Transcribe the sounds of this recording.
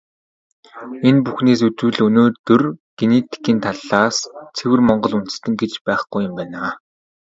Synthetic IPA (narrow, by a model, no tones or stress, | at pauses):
enpuxneːsɵt͡sɘ̆ɮɵnoːrt̪ɵrɡ̥enet̪ʰe̥kiːnt̪ʰaɮːaːst͡sʰewɘ̆rmɔɴɢɞ̆ɮun̥t̪ɘ̆st̪ɘ̆ŋɡet͡ɕpæːχɡujʊ̆mpæːnaː